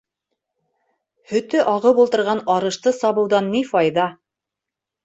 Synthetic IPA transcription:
hɵ̆t̪ɵʔɑʁɤwbulˠt̪ɤ̆ɾʁɑnɑɾɤ̆ʃt̪ɤsɑβɤ̆wðɑnːifɑjðɑ

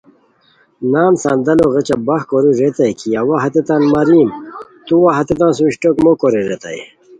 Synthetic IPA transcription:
naːnsãːnd̪ɐloɣet͡ɕabɐxkoɾiɾet̪ajkiawaɦɐt̪et̪aːnmaɾiːmt̪uwaɦɐt̪et̪̬ãːsuiɕʈokmokoɾiɾet̪a̰ḛ

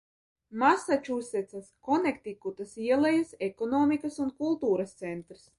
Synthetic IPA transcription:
masat͡ʃusːɛt̪saskɔnɛkt̪ʲikut̪asiɛlˠɛjasekɔnɔːmʲikɐsunkulˠt̪uːɾast̪sɛnt̪ɾs

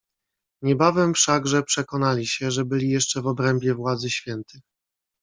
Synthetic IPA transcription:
ɲɛbavɛmfʂaɡʐɛpʂɛkɔnalʲiɕɛʐɛbɘlʲijɛʂt͡ʂɛvɔbɾɛmbʲjɛvwad̪zɘɕfʲjɛnt̪ɘ

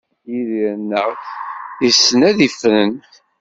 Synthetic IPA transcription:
iðiɾənːəʁ | isːənæðifnən

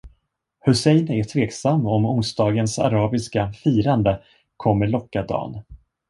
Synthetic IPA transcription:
hɵsɛjnɛʈʰveːksamːɔmʊnsd̪ɑːɡənsa̰ɾɑːbɪskafiːɾand̪ə | kʰɔmːəɭɔkːad̪ɑ̰ːn

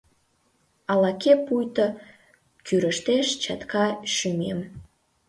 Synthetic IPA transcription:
ɑlɑkepujt̪ə | kyɾəʃt̪eʃt͡ɕɑt̪kɑʃymem

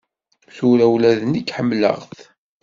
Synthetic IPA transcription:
θuɾæwlæðənikːħəmːlə̰ʁθ

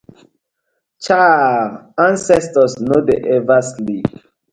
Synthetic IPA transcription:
t͡ʃa | ãnsɛstɔsnodeʔɛvaslip

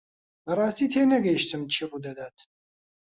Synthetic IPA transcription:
bɐrˤɑːst̪iːt̪ʰeːnɐɡɐjiʃt̪ɨmt͡ʃʰiːrud̪ɐd̪aːt̪

